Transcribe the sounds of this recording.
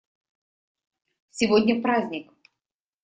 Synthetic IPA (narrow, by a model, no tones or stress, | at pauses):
sʲɪvodʲnʲəpɾazʲnʲɪk